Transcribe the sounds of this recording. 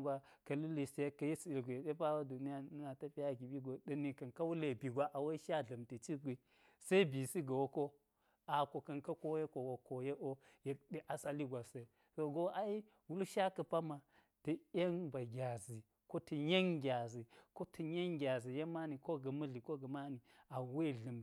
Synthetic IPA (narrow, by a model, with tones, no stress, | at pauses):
ɡʷa˦kɐ˨li˦li˨ste˨˦kːɐ˨ji˦si˨i˨lɡʷi˨jɗe˦pa˦wa˦du˨ni˦ja˦na˨tɐ˦pi˦ja˦ɡi˨ɓi˦ɡo˨ɗɐ˨ni˨kɐ˨nka˦wu˦le˨bi˨ɡʷa˦ʔa˨wa˦i˦ʃa˦ɮɐ˨mte˨t͡ʃi˦ɡʷi˨ | sa˦i˦bi˨si˦ɡa˨wo˦ko˦ | a˨ko˨kɐ˨nkɐ˦ko˦je˦ko˨wo˨ko˨je˦ʔo˦ | je˨k̚ɗe˦ʔa˨sa˦li˦ɡʷa˨se˨˦ | so˨ɡo˦ʔa˨i˦ | wu˦lʃa˦kɐ˨pa˦ma˨ | tɐ˨e˦nba˨ɡʲa˨zi˨ | ko˦tɐ˨ɲe˦ŋɡʲa˨zi˨ko˦tɐ˨ɲe˦ŋɡʲa˨zi˨je˦ma˦ni˨ko˦ɡɐ˨mɐ˦ɮi˨ko˦ɡɐ˨ma˦ni˨a˨we˦˨ɮɐ˨m˨